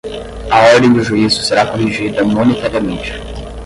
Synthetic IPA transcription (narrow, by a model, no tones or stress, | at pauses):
ɐɔɾd̪ẽj̃d̪ʊʒuizʊseɾakoɦiʒid̪ɐmonet̪aɾiɐmẽnt͡ʃɪ̥